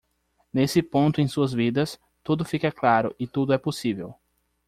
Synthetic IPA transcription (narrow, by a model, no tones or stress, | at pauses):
nesɪpõnt̪ʊẽj̃suɐzvid̪ɐs | t̪ud̪ʊfikɐklaɾʊ̰ʔɪt̪ud̪ʊɛposivḛw